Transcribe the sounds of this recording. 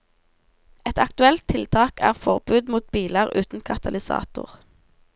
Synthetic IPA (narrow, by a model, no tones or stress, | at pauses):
ɛt̪ʰɑkt̪ʉɛlt̪ʰɪlt̪ʰɑːkæ̰ːʁfɔʁbʉːd̪muːt̪̚biːləʁʉːt̪n̩kʰɑt̪ɑlɪsɑ̰ːt̪ʊ̰ʁ